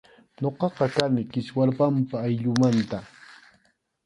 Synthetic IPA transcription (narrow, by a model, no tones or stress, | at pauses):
ɲoqɑqɑkanɪkɪswaɾpampaːjʎʊmant̪a